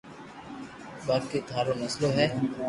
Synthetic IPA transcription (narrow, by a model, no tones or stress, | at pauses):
baːket̪aːɾõːnəsloːɦɛː